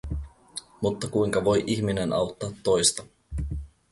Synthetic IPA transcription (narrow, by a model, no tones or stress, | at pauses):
mut̪ːɑkujŋkɑʋo̞jʔiçmine̞nʔɑ̰wt̪ːɑːt̪ːo̞jst̪ɑ